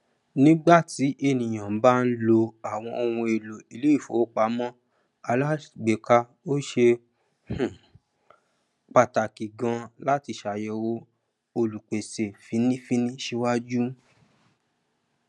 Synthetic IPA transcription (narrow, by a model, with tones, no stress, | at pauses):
nĩ˦ɡ͡ba˦˨ti˨˦ʔe˧˨nĩ˨j̃ã˨m̩˨˦ba˦˧n̩˦lo˧a˨w̃ɔ̃˧o˧wũ˧e˨lo˨i˨le˨˦i˦˨fo˨˦k͡pa˨˦mɔ̃˦ | a˧la˦˨ɡ͡be˨ka˧ | o˦ʃe˧ | h̩˦˨ | k͡pa˧ta˨ki˨ɡã˧la˦ti˧ʃa˨jɛ˧wo˦ | o˧lu˨k͡pe˨se˨fi˨˦nĩ˦fi˦nĩ˦ʃe˧wa˦d͡ʒu˦